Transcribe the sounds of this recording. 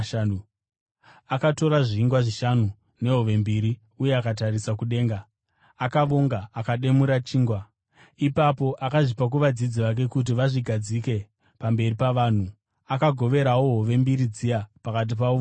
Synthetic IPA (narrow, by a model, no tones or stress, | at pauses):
akato̞ɾaʐiːŋɡwaʐiʃanu | ne̞ɦo̞ʋe̞mbiɾi | uje̞akatarisakuɗe̞ːŋɡaː | kaʋoŋɡaːkaɗe̞muɾat͡ʃiːŋɡwa | ipapo̞ʔakaʐipak̬uʋad͡zid͡ziʋak̬e̞kut̬iʋaʐiɡʱad͡zike̞ | pambe̞ripaʋaːn̤u | akaɡʱo̞ʋe̞ɾawoɦoʋe̞mbiɾid͡zijapakat̬ipao